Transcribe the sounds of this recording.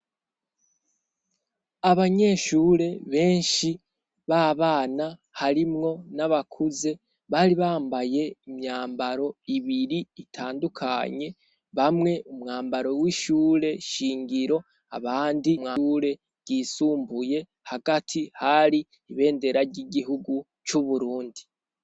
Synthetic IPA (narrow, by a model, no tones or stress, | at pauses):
aβaɲe̞ʃuːɾe̞βe̞ːnʃi | βaβaːna | haɾimŋo̞naβakʰuze̞ | βaːɾiβaːmbaje̞imɲaːmbaɾo̞iβiɾiːtʰaːndukʰaɲe̞ | βamŋe̞umŋaːmbaɾo̞wiʃuːɾe̞ʃiːŋɡiɾo̞ | a̰βaːndimŋaɾe̞ | ɡ̥iːsuːmbuje̞ | haɡatʰihaɾiː | βe̞ːnde̞ɾaɾɟiɡiɦuɡu | t͡ʃuβuɾuːndi